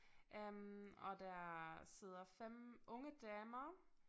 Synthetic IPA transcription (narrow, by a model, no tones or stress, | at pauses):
ʔømɒ̽d̥æse̝ð̞̰ˠɐfem̰ʔɔ̽ŋəd̥ɛːmɐ